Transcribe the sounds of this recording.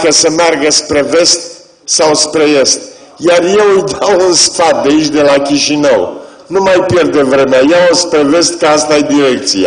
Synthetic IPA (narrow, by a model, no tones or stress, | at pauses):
kəsəmearɡəspɾe̞ve̞st̪̚ | sawspɾe̞e̞st̪ | jarje̞wujt̪eawunsfat̪̚d̪eit͡ʃʲd̪e̞lakʲiʃinəw | numajpje̞rd̪e̞vɾe̞meajaospɾe̞ve̞st̪kəast̪ajed̪iɾe̞k̚t̪sia̰